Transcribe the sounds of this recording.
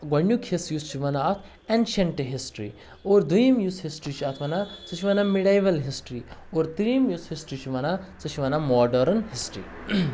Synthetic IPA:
ɡɐɳɖukʰesjust͡ʃʰiʋɐnaːt̪ʰ | ɛnɖʃeɳʈeɦisʈɾḭ | oːɾd̪ujimjushisʈɾit͡ʃʰiɐt̪ʰʋɐnat͡sɨt͡ʃʰiʋɐnamiɽajʋɐlɦisʈɾioːɾt̪ɾiimjushisʈɾit͡ʃʰiʋɐnat͡sɨt͡ʃʰiʋɐnamɔːɖɐɾnɦisʈɾḭː

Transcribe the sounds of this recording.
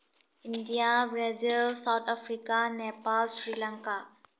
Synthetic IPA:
indijabɾɛd͡ʒeəlsawt̪ʰapʰɾikanepalsɾilaŋka

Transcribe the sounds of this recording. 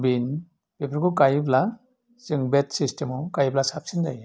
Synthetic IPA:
bin | bepʰɾkukajbla | zɯŋbetsistemɔkajblasap̚sindaj

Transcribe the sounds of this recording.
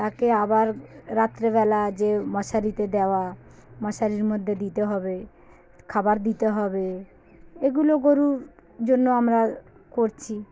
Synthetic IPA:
t̪akeabaɾɾat̪ːɾeβɛlad͡ʑemɔʃaɾit̪ed̪eoamɔʃaɾiɾmod̪ʱːed̪it̪eɦɔbe | kʰabaɾd̪it̪eɦɔbe | eɡuloɡoɾud͡ʑonːoamɾa | koɾt͡ɕʰi

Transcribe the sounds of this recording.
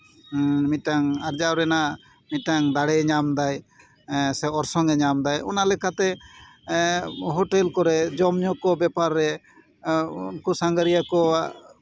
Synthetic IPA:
miʈaŋaɾd͡ʒawɾɛna | miʈaŋd̪aɽɛɲamd̪aj | sɛɔɾsɔŋɡɛɲamd̪ajɔ̰nalɛkʰat̪ɛ | ɦɔʈɛlkɔɾɛd͡ʒɔmɲɔkɔbɛpaɾːɛ | unkusaŋɡaɾijakɔ

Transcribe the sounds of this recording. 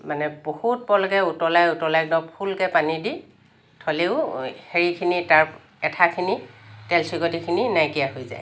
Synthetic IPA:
manɛbohut̚pɔlɔkɛutɔlajutɔlajknɔpʰulkɛpanidi | tʰɔleʊheɹikʰinitaɹ | ɛtʰakʰinitɛlsiɡɔtikʰininajkijahojza̰j

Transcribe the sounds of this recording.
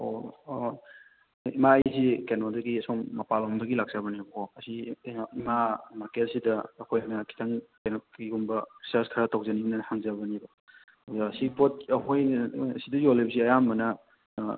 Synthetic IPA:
o | imaːjzikenɔdɐɡiɐsoŋːɐpalɔmdɐɡilak̚zabɐnibɐkʰɔɐsiimamakelsidɐːkʰojnɐkʰi̥tʰaŋkenoiɡumbɐɾisɐstʰaɾatawzɐninɐhaŋzabɐnibo | wzasipot̚ɐɦojnɐsidɐziolebɐsiɐjambɐnɐ

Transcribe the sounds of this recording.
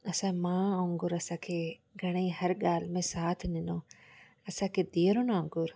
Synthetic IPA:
ɐsãmãːõːŋɡʊɾɐsãːkʰeːɡʱɐɽ̃eiɦɐɾɠaːlmẽsaːt̪ʰnɪnõː | ɐsãːkʰeːd̪iːɾonãːŋɡʊɾ

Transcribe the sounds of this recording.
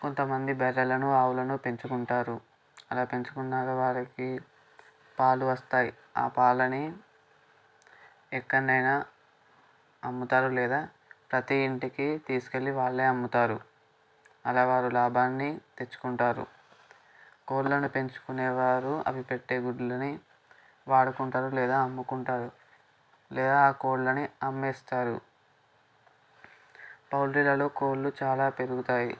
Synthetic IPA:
kont̪ɐmɐnd̪ibɛɾːɐlɐnuaːʋulɐnupe̞ɲt͡ʃukuɳʈaːɾu | ɐlaːpe̞ɲt͡ʃu̥kuɳːaːɡɐʋaːɾɐki | paːluʋɐst̪aːji | a̰ːpaːlɐni | ɛkːɐɳːɐjnaː | ɐmːut̪aːɾulɛːd̪aː | pɾɐt̪iːɳʈikit̪iːsu̥ke̞lːiʋaːɭːe̞ːɐmːut̪aːɾu | ɐlaːʋaːɾulaːbʱaːnːit̪e̞t͡ʃːu̥kuɳʈaːɾṵ | ko̞ːɽlɐnupe̞ɲt͡ʃu̥kuneɛːʋaːɾuɐ̰ʋipe̞ʈːe̞ːɡuɽulɐni | ʋaːɽukuɳʈaːɾulɛːd̪aːɐmːukuɳʈaːɾu | lɛːd̪aːaːko̞ːɽlɐniɐmːeːst̪aːɾṵ | pɐwlɾilɐlo̞ːko̞ːɽlut͡ʃaːlaːpe̞ɾuɡut̪aːjḭ

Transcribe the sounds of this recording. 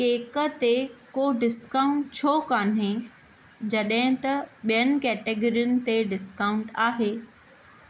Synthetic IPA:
keːkət̪ekoːɖɪskaːʊ̃ɳʈ̚t͡ɕʰoːkaːnɦẽ | d͡ʑɐɗɦɪ̃t̪ɐɓijənɪ̆kɛːʈeːɡoɾiʊnɪ̆t̪eɖɪskaːʊ̃ɳʈaːɦeː

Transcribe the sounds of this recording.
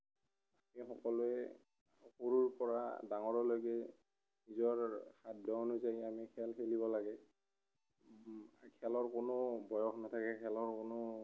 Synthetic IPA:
amixɔkɔluɛ | xoɹuɹpɔɹa̰daŋɔɹɔlojɡɛ | nizɔɹxaddɔonuzajamikʰɛlxelibɔlaɡɛ | kʰɛlɔɹkʊnʊbɔjɔxnatʰakɛkʰɛlɔɹkonʊ

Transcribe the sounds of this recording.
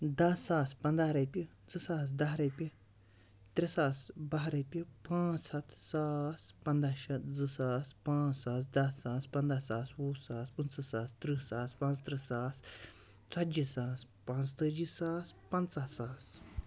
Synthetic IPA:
d̪ɐsaːspɐnd̪aɾɐjpʲi | d͡zɨsaːsd̪ɐsɾɐjpʲi | t̪ɾisaːsbaɦɾɐjpʲipãːt͡sɐt̪saːspɐnd̪aʃɐt̪d͡zɨsaːspãːt͡ssaːsd̪ɐsaːspɐnd̪asaːswuːsaːspɨnsɐsaːst̪ɾisaːspãːt͡st̪ɾisaːs | t͡sɐd͡ʒisaːs | pãːt͡st̪əd͡ʒisaːspɐnt͡sasaːs

